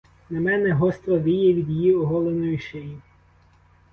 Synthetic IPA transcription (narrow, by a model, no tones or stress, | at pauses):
nɐmɛnɛɦɔst̪ɾɐd̪ijɛʋʲid̪jjiɔɦɔlˠenɔjiʃeji